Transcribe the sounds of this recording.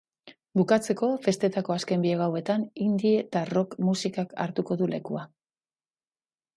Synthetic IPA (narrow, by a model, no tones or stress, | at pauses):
bukat͡se̞ko̞fe̞st̪e̞t̪ako̞aske̞mbieɣawe̞t̪anind̪ie̞t̪aro̞kmusikaka̰ɾt̪uko̞ðule̞̰kua